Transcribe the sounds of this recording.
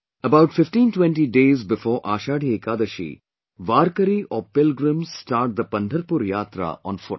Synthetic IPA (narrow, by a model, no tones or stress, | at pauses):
əbaʊʈfɪfʈĩːnʈwɛ̃ɳʈiɖeːzbɪfɔːɾʔaːʃaːɽʱieːkaːd̪əʃḭ | ʋaːɾkəɾiʔɔːpɪlɡɾə̃mzsʈaːɾʈ̚d̪əpɐ̃nd̪ʱəɾpuɾjaːt̪ɾa̰ʔɔ̰̃ːnfʊʈ